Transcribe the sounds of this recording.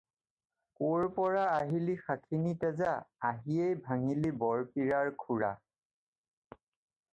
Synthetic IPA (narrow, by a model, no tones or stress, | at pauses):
koɹpɔɹaːɦilixakʰinitɛzaaɦiejbʱaŋilibɔɹpiɹaɹkʰuɹa̰